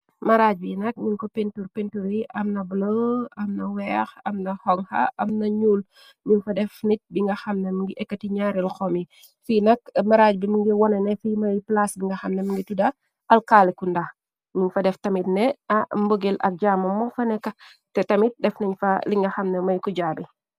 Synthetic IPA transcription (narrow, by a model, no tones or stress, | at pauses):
mɐɾaɟ̚binɐk̚ɲuŋkɔpentuɾpentuɾiʔɐmnɐbloɐmnɐwɛːxɐmnɐhɔŋhɐ̰ʔɐmnɐɲuːl | ɲunfɐdɛfnit̚biŋɡɐxɐmnɛmiŋɡiʔɛkːɐtiɲaːɾilxɔmi | finɐk̚mɐɾaːɟbimiŋɡiwɔnɐnɛfiːmɐjplasbiŋɡɐxɐmnɛmiŋɡitudɐ | ʔɐlkaːlikundax | ɲunfɐdɛftɐmitnɛɐmbəɡelɐ̰k̚ɟaːmɐmɔfɐnɛkːɐ | tɛtɐmit̚dɛfnɐɲfɐliŋɡɐxɐmnɐmɐjkuɟaːbi